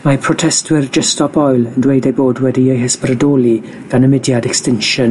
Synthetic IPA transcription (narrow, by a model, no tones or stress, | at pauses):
mapʰrɔtʰɛstwɪrd͡ʒɛstɔbɔjlˠəndwejdejboːdwɛdiejhəsbrədoːlˠi | ɡ̥anəmɪdjadɛkstɪnʃən